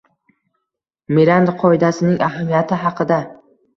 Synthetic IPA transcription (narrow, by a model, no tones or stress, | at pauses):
miɾand̪qʰɒɪd̪asɪnɪŋʔahamijat̪ʰɪɦɑqʰɨd̪a